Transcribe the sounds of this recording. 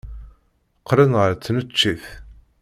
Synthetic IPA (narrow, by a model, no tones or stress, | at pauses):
qːɾənʁəɾt͡sːnət͡ʃːiθ